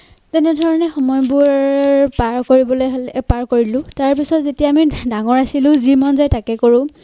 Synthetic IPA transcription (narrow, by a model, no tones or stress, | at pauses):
tɛnɛdʱɔɹɔnɛxɔmɔjbʊɹpaɹkoɹibɔlojɦlpaɹkoɹilʊ̃taɹpisɔtzetijaːmidaŋɔɹasilʊ̃zimɔnzajtakɛkoɹʊ̃